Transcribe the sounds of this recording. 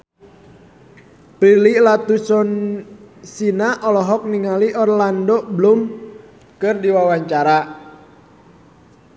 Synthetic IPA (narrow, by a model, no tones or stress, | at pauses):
pɾililat̪usɔn | sinaʔɔlɔɦɔk̚niŋaliʔɔrlandɔblum | kɨrdiwawaɲt͡ʃaɾa